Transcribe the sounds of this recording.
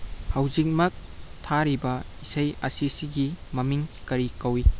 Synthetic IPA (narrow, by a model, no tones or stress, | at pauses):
hawzik̚mɐk̚ | tʰaɾibɐ | isɐjɐ̰sisiɡimɐmiŋkɐɾikɐwi